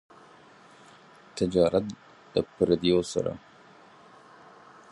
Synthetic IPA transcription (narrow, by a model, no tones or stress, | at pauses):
t̪ʰɪd͡ʒɑːɾat̪̚ | d̪əpɾad̪ijosa̰ɾa̰